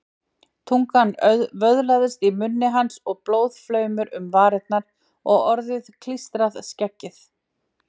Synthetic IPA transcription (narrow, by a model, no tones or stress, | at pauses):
t̪ʰuŋkanœðvœðlaðʏst̪imʏnːɪɦansɔɣploːwð̥flœːɥmʏɾʏmvaːɾɪt̪̚naɾ̥ | ɔɣɔɾðɪðkʰlist̪ɾaðscɛcːɪθ